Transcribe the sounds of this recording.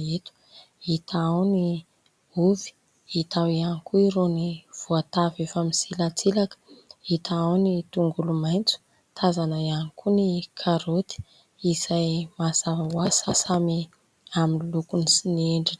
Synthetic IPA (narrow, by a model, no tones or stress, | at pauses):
et̪u̥ | it̪aawni | uvi̥ | it̪awianikuiɾoniv̥uat̪avefamisilat͡silakə̥it̪aawnit̪uŋɡulumajnt͡su̥ | t̪ʰazanaianikunikʰaɾot̪i̥ | izajmasavawasasami | aminlukunisinieɳɖ͡ʐin